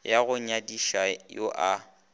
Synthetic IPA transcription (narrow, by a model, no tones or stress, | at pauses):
jaɣʊɲadiʃajoʔa